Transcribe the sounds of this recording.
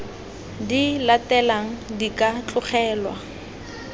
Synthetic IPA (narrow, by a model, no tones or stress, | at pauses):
dilatɛlaŋ̩dikʼat͡ɬʼʊχɛːlwa̰